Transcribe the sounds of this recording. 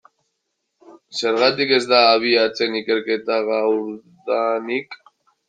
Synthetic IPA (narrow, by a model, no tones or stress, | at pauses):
se̞ɾɣat̪ike̞zd̪aːβ̞iat͡se̞nike̞ɾke̞t̪aɣawɾðanik